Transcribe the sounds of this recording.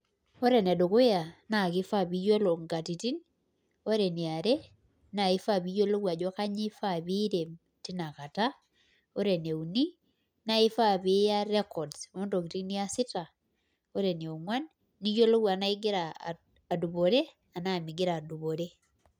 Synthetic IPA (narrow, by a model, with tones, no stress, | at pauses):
o˦ɾe˨n˨a˨do˨ko˦ja˨na˨kɪ˦fa˦˨bi˨˦jo˦lo˨ŋɡa˨ti˨ti˦n | o˦ɾe˨ni˨a˨ɾe˦ | na˨ɪ˦fa˦˨bi˦jo˦lo˦ɡa˨d͡ʒɔ˦ka˦ɲi˦fa˦bi˦ɾe˨m | ti˦na˨ka˨ta˦ | o˦ɾe˨ne˨u˨ni˦ | na˦i˦fa˦bi˦ja˦ɾɛ˦kɔ˨dsmo˦ndo˨ki˨ti˦ni˦a˦sɪ˦ta˨ | o˦ɾe˨ni˨o˨ŋwa˦nː | i˦jo˦lo˦wa˨na˦i˦ɡɪ˦ɾa̰˨ | a˨du˨bo˨ɾe˦ | a˨na˦˨mi˨ɡɪ˦ɾa˨du˨bo˨ɾe˦